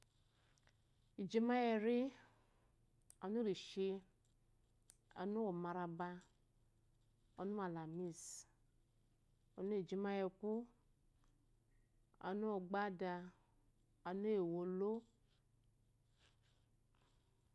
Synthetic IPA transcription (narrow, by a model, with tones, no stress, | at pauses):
i˨d͡ʒi˦ma˦jɛ˨ɾi˦ | a˨nu˦ɾi˨ʃe˧ | a̰˨nu˦wo˨ma˨ɾa˨ba˧ | o˨nu˦a˨la˨mi˦s | o˨nu˦e˨d͡ʒi˦ma˦jɛ˨ku˦ | a̰˨nu˦wo˨ɡ͡ba˦da˨ | a˨nu˦e˨wo˨lo˦